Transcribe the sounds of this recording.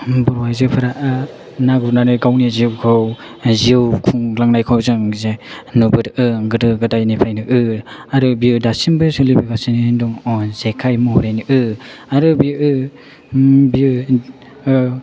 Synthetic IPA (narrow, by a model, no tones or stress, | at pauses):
bɔɾwajzɯpʰɯɾaʔɯ | naɡunanɯɡawniziwkʰaw | ziwkʰuŋlaŋnajkʰawzɯŋzenubɯɾɯɡɯdɯɡɯdajnepʰajnɯʔɯaɾɯbiudasinbɯsɯlibeɡasiniduŋɔzekʰajmuhuɾenɯʔɯaɾɯbiɯ | biu